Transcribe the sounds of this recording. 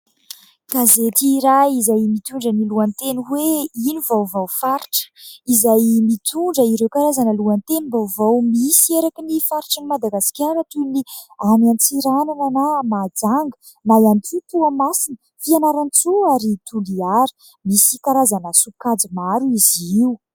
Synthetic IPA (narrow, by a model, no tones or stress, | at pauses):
kazet̪iɾaizajmit̪uɳɖ͡ʐəniluant̪eniweinuvawvawfaɾi̥ʈ͡ʂə̥izajmit̪uɳɖ͡ʐəiɾewkaɾazanəluant̪enibawvawmisieɾakinifaɾiʈ͡ʂənimad̪aɡaskʲaɾət̪uniamiant͡siɾanananamad͡zaŋɡə | majant͡sut̪uamasinə | fianaɾant͡suaɾit̪uliaɾə̥ | misikaɾazanəsukad͡zimaɾuiziwu